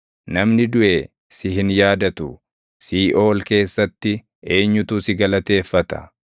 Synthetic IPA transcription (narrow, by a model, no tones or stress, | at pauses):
nɐmnɪd̪ʊʔe | sɪɦɪnjaːd̪ɐt̪ʊ | siːʔo̞ːlke̞ːsːɐt̪ːɪ | e̞ːɲːʊt̪uːsɪɡɐlɐt̪e̞ːfːɐt̪ɐ̥̰